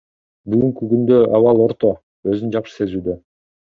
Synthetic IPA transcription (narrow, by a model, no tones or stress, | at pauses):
byɡyŋkyɡynd̪øʔɑβɑlˠo̞ɾt̪o̞ | ø̞zynd͡ʒɑpʃɯ̥se̞zyːd̪ø̞